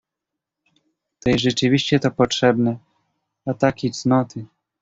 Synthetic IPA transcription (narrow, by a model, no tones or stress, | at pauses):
t̪ɛjʐɛt͡ʂɘvʲiɕt͡ɕɛt̪ɔpɔtʂɛbnɛ | at̪akʲijt̪snɔt̪ɘ